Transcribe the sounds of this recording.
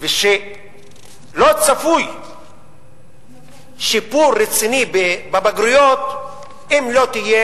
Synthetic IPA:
veʃe | lot͡safuj | ʃipuɾːet͡sinibebabaɡɾujot̪ | imlo̞t̪ije

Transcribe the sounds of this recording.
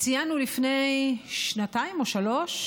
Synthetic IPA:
t͡sijanulifne̞jʃnataimo̞ʃalo̞ʃ

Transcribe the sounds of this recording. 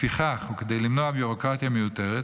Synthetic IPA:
fiχaχuked̪e̞jlimnoabjuʁo̞kʁat̪jamejute̞ʁet

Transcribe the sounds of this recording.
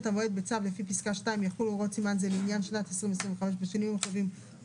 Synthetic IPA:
t̪avoed̪̚bet͡savlefipiskaʃtaimjaχulʁotsimanzeleinjanʃnat̪hesʁimves̬ʁĩveχameʃ̬beʃonimmeχevim

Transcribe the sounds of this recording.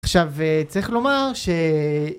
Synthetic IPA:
aχʃavet͡sʁiχlo̞maʁʃe

